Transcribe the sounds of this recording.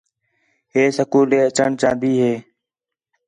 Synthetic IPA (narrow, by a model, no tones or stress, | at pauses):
ɦeːsəkuːleːət͡ʃəɳt͡ʃãːnd̪iːɦeː